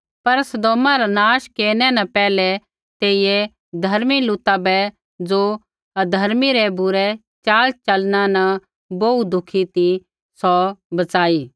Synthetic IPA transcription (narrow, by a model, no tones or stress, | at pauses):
pɐɾsɐd̪oːmãɾanaːʃkeːnɛnɛ̃pɛːlɛ | t̪eːijɛ | d̪ʱɐɾmilʊt̪abɛ | d͡zo | ɐd̪ʱɐɾmiɾɛbʊɾɛ | t͡ʃaːlt͡ʃɐlnãnɐ̃ | boud̪ʱʊkʰit̪i | sɔbɐt͡saːiː